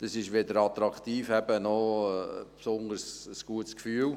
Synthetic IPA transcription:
d̥ɑsɪʃʋɪd̪əɾɑt̪ɾɑkt̪iːfɛbənɔ | psʊndəɾsəsɡ̥uətskfyːl

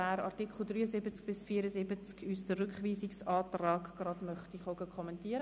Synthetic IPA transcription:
æːɾɑ̰ɾtikχl̩ˠdɾryːəzɪbət͡sk̚b̥ɪsfiːɾəzɪbət͡skysdərʏkχʋiːsɪksɑːtrɑːɡɡ̥rɑdmœχtiχoɡəkʰɔmɛntiːəɾə

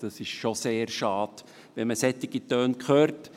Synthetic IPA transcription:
d̥ɑsɪʃʃoseːɾʃɑːd̪̥ | ʋɛməsɛt̪ɪɡit̪øːnkχøːɾt

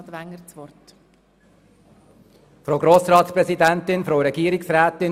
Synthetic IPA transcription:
d̪ʋæŋːəɾt͡sʋɔɾt | fɾoːɡɾoːsɾɑːtsprɛsidænt̪ɪnfɾoːɾɛɡiːəɾɪksɾæːt̪ɪn

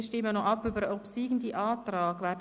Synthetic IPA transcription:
ʃtɪmːənɔʔɑpːybəɾəɔpsiːɡn̩diʔɑːtrɑːɡʋɛːd

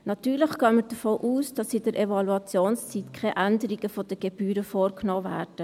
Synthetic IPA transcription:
nɑt̪yːɾləχɡ̥œːməd̥əfoːʔuːsd̥ɑsɪdəɾʔɛvɑluɑt͡sjoːnst͡siːtkʰχɛʔændəɾiɡ̥əfod̥əɡ̥eb̥yːɾəfoːɾknoːvæːɾd̥ə

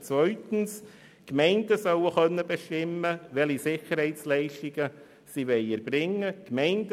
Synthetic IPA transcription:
t͡sʋœʏtən̩s | kmɛɪndəsœwəxœnːəbeʃtɪməʋɛlisɪχərhɛɪt͡slɛɪʃtɪɡ̥ə | siʋɛɪɛɾb̥ɾɪŋːəkmɛɪnd

